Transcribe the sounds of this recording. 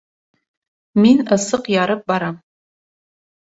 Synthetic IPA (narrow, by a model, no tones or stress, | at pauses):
minɐsɨqjaːɾɨp̚baɾam